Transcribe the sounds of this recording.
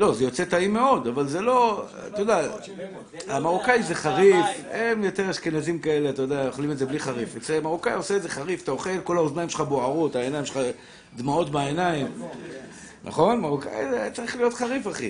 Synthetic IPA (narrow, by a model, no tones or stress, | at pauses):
lo̞zejo̞t͡set̪aime̞o̞d̪avalzelo̞ | t̪ajod̪a | amaʁukajzeχaʁifemjo̞t̪e̞ʁʃkenazimkae̞le̞at̪ajod̪aajoχlimetzebliχaʁifet͡semaʁukajo̞seːzeχaʁift̪ao̞χe̞lko̞laoznaimʃeχaboaʁutaenajimʃeχa | d̪mao̞tbaenaim | nʔa̰χo̞nmaʁuka̰jzet͡saʁiχlijo̞tχaʁifaχḭ